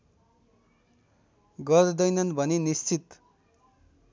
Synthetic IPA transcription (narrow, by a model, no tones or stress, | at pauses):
ɡʌɾd̪ʌjnʌnbʱʌnenist͡sit̪